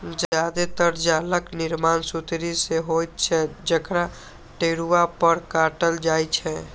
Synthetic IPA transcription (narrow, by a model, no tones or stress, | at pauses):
d͡ʒad̪et̪əɾd͡ʒaləkniɾmansut̪ɾiseɦojt̪̚t͡ʃʰɛd͡ʒəkɾa | ʈeɽuapəɾkaʈəld͡ʒajt͡ʃʰɛ